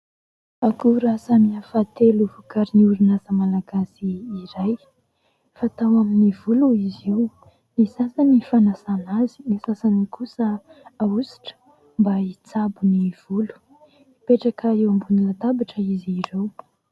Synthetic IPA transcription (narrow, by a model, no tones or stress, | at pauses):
akuɾasamiafat̪eluvukaɾiniuɾunazəmalaɡasiːɾaj | fat̪awaminivuluizew | nisasanifanasanazi̥nisasanikʰusəausi̥ʈ͡ʂə̥ | mbait͡sabuniv̥ulu̥ | ipeʈ͡ʂakəewambunilat̪abaʈ͡ʂəiziɾew